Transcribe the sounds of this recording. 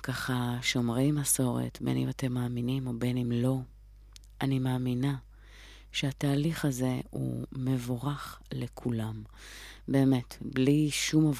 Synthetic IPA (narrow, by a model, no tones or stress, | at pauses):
kaχaʃo̞mʁe̞jmaso̞ʁḛtbḛnḭmate̞mːaːminimo̞benimlo̞ | ʔanimaːmina | ʃeataːliχaze̞ṵme̞voʁaχlekʰulam | be̞ːme̞tbliʃumov